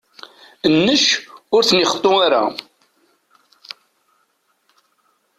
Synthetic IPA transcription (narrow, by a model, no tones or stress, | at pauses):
ənːəʃʊɾθənɪχə̥t̪ˤːoaɾa̰